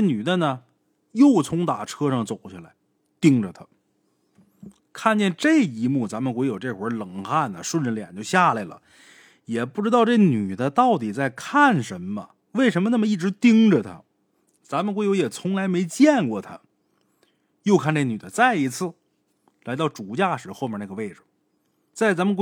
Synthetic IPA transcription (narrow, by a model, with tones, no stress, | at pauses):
ny˨˩d̪ə˦nə˨ | jo˥˩ʊt͡sʰʊ˧˥ŋt̪a˨˩ʈ͡ʂʰɤ˥ʂɑ˥˩ŋt͡so˨˩ʊt͡ɕʰi˥˩la˧˥ɪ | t̪i˥ŋʈ͡ʂə˨t̪ʰḁ˥ | kʰa˥˩˧nt͡ɕjɛ˥˧nʈ͡ʂɤ˥˩ɪi˧˥mu˥˩t͡sa˧˥mə˨nkwɛ˧˥ɪjo˨˩ʊʈ͡ʂe˥˩xwə˧˥lɤ˨˩ŋxa˥˩nːə̰˩ʂwə˥˩˧nɻə˥˩ljɛ̰˨˩nt͡ɕjo˥˧ʊɕja˥˩la˧˩ɪlə̰˩ | jɛ˨˩pu˥˩ʈ͡ʂɻ̩˥t̪ɑ˥˧ʊʈ͡ʂe˥˩ny˨˩d̪ə˦t̪ɑ˥˩ʊt̪̬i˨˩t͡sa˥˧ɪkʰa˥˩nʂə˧˥nmə̰˧ | we˥˩ɪʂ̬ə˧˥mə˧na˥˩mə˩i˥˩ʈ͡ʂɻ̩˧˥t̪i˥ŋʈ͡ʂə˨t̪ʰa̰˧˥ | t͡sa˧˥mə˨nkwɪjʊjɛ˨˩t͡sʰʊ˧˥ŋla˧˥ɪme˧˥ɪt͡ɕjɛ˥˧nkwɔ˥˩t̪ʰa̰˦ | jo˥˧ʊkʰa˥˩˧nʈ͡ʂe˥˩ə˩ny˨˩d̪ə˦t͡sa˥˩ɪi˧˥t͡sʰɹ̩˥˩ | la˧˥ɪt̪ɑ˥˩ʊʈ͡ʂu˨˩t͡ɕja˥˩ʂɻ̩˧˥xo˥˧ʊmjɛ˥˧na˥˩ɡə˧we˥˩ɪʈ͡ʂɻ̩˨˩ | t͡sa˥˩ɪt͡sa˧˥mə˨˧k